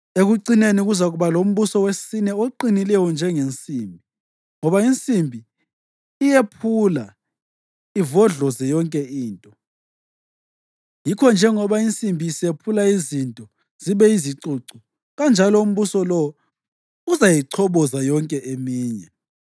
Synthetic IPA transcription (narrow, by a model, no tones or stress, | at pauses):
eɣuǀineniɣuzaɣuβalom̩βusɔwesinɛoǃinilɛjɔnd͡ʒʱɛŋent͡sʼimbʱi | ŋɔβaint͡sʼimbʱiː | jepʰula | ivɔɮɔzɛjɔŋkʼɛiːntʼɔ | jikʰɔnd͡ʒʱɛŋɔβaint͡sʼimbʱiːsepʰulaizintʼɔ | z̥iβɛiziǀuǀɔ | ɣand͡ʒʱalɔum̩βusɔlɔ | uzajiǀʰɔβɔzajɔŋkʼɛʔemiːɲɛ